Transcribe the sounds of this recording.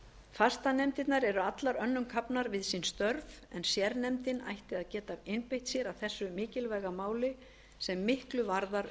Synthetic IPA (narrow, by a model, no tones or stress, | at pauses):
fast̪anɛmt̪ɪt̪naɾɛɾʏat̪laɾœnːʏmkʰapnaɾvɪðsinst̪œɾvɛnsjɛɾnɛmt̪ɪna̰jht̪ɪaðcɛːt̪avɪnpejht̪sjɛɾawθɛsːʏmɪːcɪlvajɣamaːwlɪ | sɛmːɪhklʏvaɾðaɾ